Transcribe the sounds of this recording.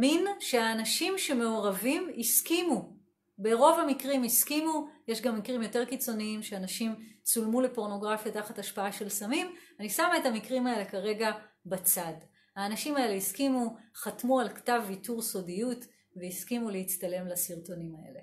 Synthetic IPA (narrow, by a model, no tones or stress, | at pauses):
minʃeaːnaʃimʃe̞me̞oʁavimiskimu | be̞ʁo̞vamikʁimiskimuje̞ʃɡamːikʁimjo̞teʁkit͡so̞niimʃeanaʃimt͡sulmule̞po̞ʁno̞ɡʁafjataχataʃpaaʃe̞lsamimanisamaetamikʁimae̞le̞kaʁe̞ɡabat͡sad | haːnaʃimae̞le̞iskimuχatmualktavːituʁso̞dijut | veiskimulehit͡stale̞mlasiʁto̞nimae̞̰le